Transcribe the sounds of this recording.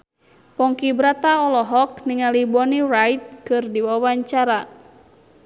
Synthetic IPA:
pɔŋkibɾat̪aɔlɔɦɔk̚niŋalibɔnirajt̪̚kɨrdiwawaɲt͡ʃaɾa

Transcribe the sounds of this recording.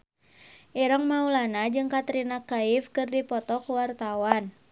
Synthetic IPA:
ʔiɾaŋmaulanad͡ʒɨŋkat̪ɾinakaifkɨrdipɔt̪ɔkuwart̪awan

